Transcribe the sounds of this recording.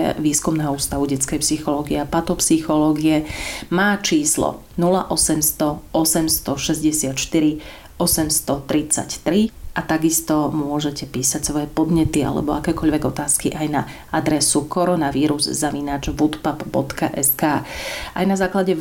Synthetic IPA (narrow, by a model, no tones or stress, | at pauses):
ʋiːskumnɛːɦɔuːst̪aʋuɟɛt͡skɛjpsixɔlɔːɡiɛapat̪ɔpsixɔlɔːɡiɛmaːt͡ʃiːslɔ̰ | nulaʔɔsɛmst̪ɔɔsɛmst̪ɔʃɛzɟɛsɪat̪ʃt̪iɾi | ʔɔsɛmst̪ɔt̪ɾit͡sa̰ct̪ɾiʔat̪aɡist̪ɔmʊʊɔʒɛcɛpiːsacsʋɔjɛpɔd̪ɲɛt̪ia̰lɛ̰bɔakɛːkɔʎʋɛɡɔt̪aːskiʔajna | ad̪ɾɛsukɔɾɔnaʋiːɾuzzaʋinaːd͡ʒʋut̪papbɔ̰t̪kaʔɛskaːʔajnazaːklaɟɛ